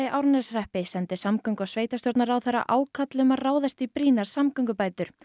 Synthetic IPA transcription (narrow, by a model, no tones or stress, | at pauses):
ɪʔawɾnɛsr̥ɛhpɪsɛnt̪ɪsamkœŋkɔsveːjt̪ast̪jɔɾt̪naɾawθɛɾːa̰ʔaːwkʰat̪lɪmaraːwðast̪ipɾiːnaɾ̥samkœŋkʏpaːjt̪ʏɾ̥